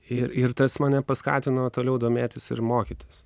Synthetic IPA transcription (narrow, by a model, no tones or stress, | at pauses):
ɪɾɪɾt̪ɐsmɐːnʲɛpɐskɑ̰ːt̪ʲɪnɐt̪oːlʲɛʊd̪oːmʲeːt̪ʲɪsɪ̰ɾmoːkʲɪt̪ʲɪs